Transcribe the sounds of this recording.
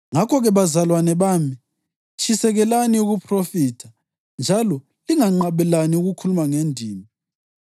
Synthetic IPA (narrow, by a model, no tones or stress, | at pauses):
ŋakʰɔɣɛβazalwanɛβaːmi | t͡ʃʼʰisɛɣɛlaniuɣupʰrofiːtʰa | nd͡ʒʱalɔ | liŋaŋ͡ǃaβɛlaniuɣukʰulumaŋendʱiːmi